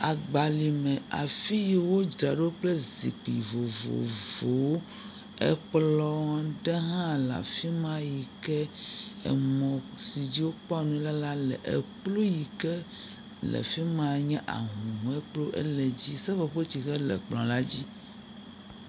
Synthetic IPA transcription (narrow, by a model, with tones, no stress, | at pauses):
a˨ɡ͡ba˨li˨mɛ̃˨a̰˨fi˦ji˨wo˦d͡ʒɾa˨ɖe˦wo˦k͡plɛ˦zḭ˨k͡pi˨vo̰˨vo̰˨vo˨wo˦ | ɛ̰˦k͡plɔ˦ɖɛ˦ɦã˦la̰˨fi˦mã˦ji˨kɛ˦ɛ̰˨mɔ̃˨si˨d͡ʑi˦wo˦k͡pɔ˦a˨nũ˦la˦la˦lɛ̰˨ʔḛ˨k͡plo˦ji˨kɛ˦ | lɛ̰˨fi˦mã˨ɲɛ̃˦ʔa̰˨ɦũ˨ɦũ˨ɛ˦k͡plo˦ʔɛ̰˦lɛ˨d͡ʑi˦sɛ˦vɔ˨ɸo˦t͡ɕi˨ɣɛ˦lɛ̰˨k͡plɔ̃˨la˦d͡ʑi˦